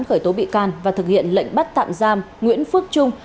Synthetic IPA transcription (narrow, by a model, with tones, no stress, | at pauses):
nxəː˧˩jt̪o˨˦ɓḭ˧˨kaː˨˩nvaː˨˩t̪ɨ˨˩k̚hḭ˧˨ənlə̰˧˨jŋ̟ɓa˦˥t̚t̪a̰ː˧˨mzaː˧m | ŋwḭ˧˥ənfɨ˦˥ək̚t͡ɕʊ˧ŋ͡m